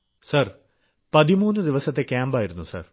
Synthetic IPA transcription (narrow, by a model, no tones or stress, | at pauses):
sɐr | pɐðimuːnːɨd̪iʋɐsɐt̪ːekʲaːmbaːjiɾunːusɐ̰r